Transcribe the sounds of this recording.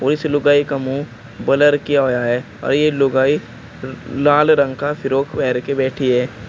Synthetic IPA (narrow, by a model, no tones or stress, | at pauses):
ɔːɾɪslʊɡaːikɐmũ | bɐləɾkijaɦoːjaɦɛː | ɔ̰ːɾjelʊɡaːi | laːlɾə̃ŋɡkapʰɪɾoːkʰpɛːɾkebɛːʈʰiɦɛː